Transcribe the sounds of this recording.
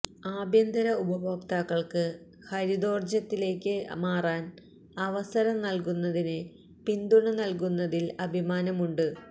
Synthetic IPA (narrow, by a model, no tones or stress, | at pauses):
aːbjɐnd̪ɐɾɐubɐbʱɐpt̪aːɣɐɭkɨ | hɐɾid̪o̞ːrd͡ʑɐt̪ːile̞ːkʲːɨmaːraːn | ɐʋɐsɐɾɐmnɐlkunːɐðinɨ | pind̪uɳɨnɐlk̬unːɐðilɐbʱimaːnɐmuɳɖɨ